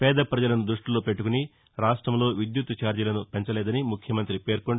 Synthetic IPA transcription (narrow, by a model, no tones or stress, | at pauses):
pɛːd̪ɐpɾɐd͡ʒɐlɐnud̪ɾuʂʈulo̞ːpe̞ʈːukuni | ɾaːʂʈɾɐmlo̞ːʋid̪jut̪ːɐt͡ʃaːɾɐlɐnupe̞ɲt͡ʃɐlɛːd̪ɐnimukʰjɐmɐnt̪ɾipeːɾkoɳ